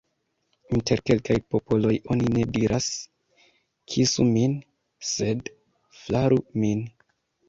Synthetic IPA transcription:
inte̞ɾke̞lkajpo̞po̞lo̞jo̞nine̞diɾʔas | kʰisumin | se̞d | flaɾumin

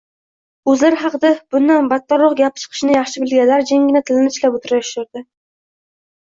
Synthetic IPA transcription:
ɵzlaɾχɑqɨd̪ab̥ʊnd̪anbat̪ːɒɾʊχɡʲap̚t͡ʃʰɨ̥qʰɨ̥ʃɪnɪjɑχʃɪbɪlɡʲanlaɾd͡ʒeŋɡʲɪnat̪ʰɪlɪnɪt͡ʃlapot̪ʰʊɾajʊʃʊɾd̪ɪ

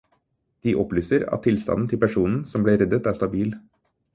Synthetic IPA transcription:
d̪̥iːʔɔplyːsəɾɑ̰t̪ʰːɪlst̪ɑ̰nn̩t̪ʰɪlpæʂuːnn̩sɔmbleːɾɛd̪ət̪æːʂt̪ɑbiːl

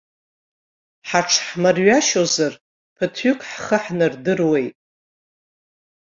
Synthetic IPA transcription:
ħaʈ͡ʂʰħmɨrɥaʃozar | pʰɨtʰʏkʼħχəħnɨrdɨrwe̞jtʼ

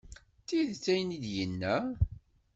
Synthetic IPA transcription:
t̪ːiðt͡sːæjənid̪jənːæ

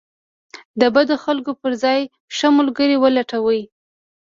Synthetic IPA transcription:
d̪əbad̪oxalkopəɾzɑj | ʃəmʊlɡəɾiwəlaʈawəj

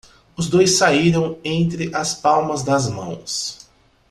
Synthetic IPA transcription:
ʊzd̪ojsːaiɾɐ̃w̃ẽnt̪ɾɪʔɐspawmɐzd̪ɐzmɐ̰̃w̃s

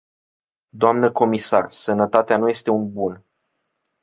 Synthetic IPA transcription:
d̪oamnəko̞misarsənət̪at̪eanuje̞st̪e̞unbun

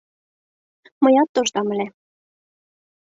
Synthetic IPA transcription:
mɤ̆jɑt̪ːoʒd̪ɑmɘ̆lʲe

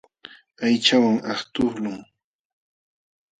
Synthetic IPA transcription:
ajt͡ʃawaŋaht̪ʊχlʊŋ

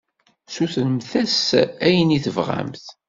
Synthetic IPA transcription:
suθnəmθæsæjəniθəvʁa̰mθ

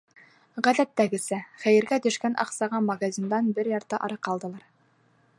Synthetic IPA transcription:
ʁæðæt̪ːæɡɘ̆sɘχæjɘ̆ɾɡæt̪ɵ̆ʃkænʔɑ̰qsɑʁɑmaɡazʲind̪ɑnbɘɾjɑɾt̪ɤʔɑ̰ɾɤqɑlˠd̪ɤ̆lˠɑɾ

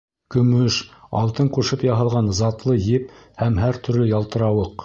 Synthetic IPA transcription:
kɵ̆mɵʃɑ̰lˠt̪ɤɴquʃɤpjɑɦɤ̆lˠʁɑnzɑt̪lˠɤjɘp̚hæmɦæɾt̪ʰɵ̆ɾlɘjɑlˠt̪ɤ̆ɾɑwɤq

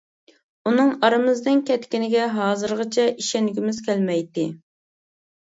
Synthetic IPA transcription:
unɨŋɑɾɨmɨzd̪ɪnkʲʰɛt̪kʲinɪɡʲɛɦɑːzɨɾʁɨt͡ʃʰɛʔiʃɛnɡʲimɪz̥kʲʰɛlmɛjd̪ɪ

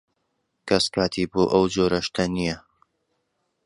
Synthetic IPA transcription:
kʰɐskaːt̪ʰiːboːʔɐwd͡ʒoːɾɐʃt̪ʰɐnijɐ

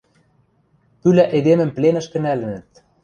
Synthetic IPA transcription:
pylæʔed̪emə̆mplenə̆ʃkɘ̆nælɘ̆nɘ̆t̪

